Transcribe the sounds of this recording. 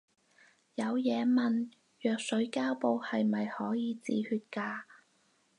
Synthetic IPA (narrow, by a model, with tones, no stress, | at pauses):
jɐ˨˧wjɛː˨˧mɐ˨˩n | jœː˨k̚sɵ˨˥ɥkaː˥wpo˧whɐ˨jmɐ˨jhɔː˨˥jiː˨˧t͡sḭː˨hyː˧t̚kaː˧